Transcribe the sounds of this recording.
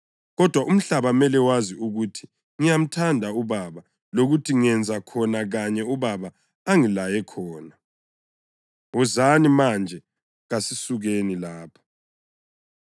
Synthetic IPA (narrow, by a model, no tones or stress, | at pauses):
ɣɔd̥ʱwaʔum̩ɬaβamɛlɛwaziuɣutʰi̥ | ŋijam̩tʰandʱauβaβa | loɣutʰiŋɛnd͡zʱakʰɔnaɣaɲɛuβaβa | aŋilajɛkʰɔːna | uzanimand͡ʒʱɛ | ɣasisuɣenilaːpʰḁ